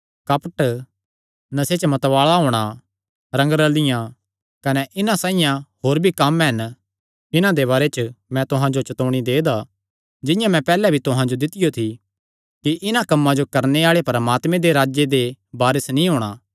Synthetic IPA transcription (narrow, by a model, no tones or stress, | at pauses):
kɐpəʈ | nɐset͡ʃmɐt̪ʋaːɭaɦoːɽ̃a | ɾɐ̃ŋɡɾəlɪjã | kɐnɛʔɪnãsãːĩjãhoːɾbʱikɐmɦɛn | ɪnãd̪eβaːɾet͡ʃəmɛ̃t̪ʊɦãd͡ʒot͡ʃɐt̪oːɽ̃id̪eːd̪a | d͡ʒɪjãmɛ̃pɛːlɛbʱit̪ʊɦãd͡ʒod̪ɪt̪ɪjot̪ʰi | kiʔɪnãkɐmːãd͡ʒokɐɾneaːɭepɾəmaːt̪mẽd̪eɾaːd͡ʒjed̪ebaːɾəsnĩɦoːɽ̃aː